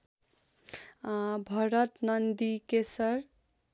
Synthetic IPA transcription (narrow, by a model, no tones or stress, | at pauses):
bʱʌɾət̪nʌnd̪ikesəɾ